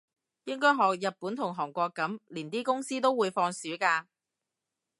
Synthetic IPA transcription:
jɪ˥ŋkɔː˥jɦɔː˨k̚jɐ˨t̚puː˨˥nt̪ʰʊ˨˩ŋɦɔː˨˩ŋkʷɔː˧kːɐ˨˥mliː˨˩nt̪iː˥kʊ˥ŋsiː˥t̪o˥wuː˨˧jfɔː˧ŋsyː˨˥kaː˧

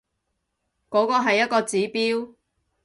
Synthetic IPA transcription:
kɔː˨˥kɔː˧ɦɐ˨jːɐ˥t̚kɔː˧t͡siː˨˥piː˥w

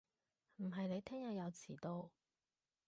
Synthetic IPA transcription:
m̩˨˩ɦɐ˨jne˨˧jt̪ʰɛː˥ŋjɐ˨tjɐ˨˧wt͡sʰiː˨˩t̪o˧w

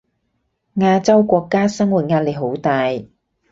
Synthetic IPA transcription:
ŋaː˧t͡sɐ˥wkʷɔː˧kːaː˥sɐ˥ŋwuː˨˩t̚ŋaː˧t̚le˨jɦo˨˥wt̪aː˨j

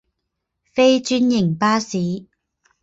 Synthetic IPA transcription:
fe˥jt͡ʃyː˥njɪ˨˩ŋpaː˥siː˨˥

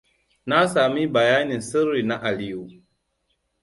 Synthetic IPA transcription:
na˦sa˨mi˦ba˨ja˦ni˨n̩˨sə˦ɾːi˨na˦ʔa˨li˨u˨

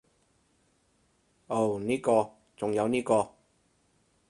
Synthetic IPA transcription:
o˨˩wniː˥kɔː˧ | t͡sʊ˨˩ŋjɐ˨˧wniː˥kɔː˧

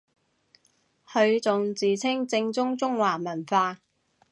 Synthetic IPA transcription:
hɵ˧ɥt͡sʊ˨ŋt͡siː˨t͡sʰɪ˥ŋt͡sɪ˧ŋt͡sʊ˥ŋt͡sʊ˥ŋwaː˨˩mɐ˨˩nfaː˧

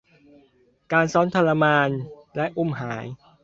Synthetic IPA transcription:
kaː˧nsɔː˦˥nt̪ʰa˧la˧maː˧nlɛ˦˥ʔu˥˩mɦaː˩˦j

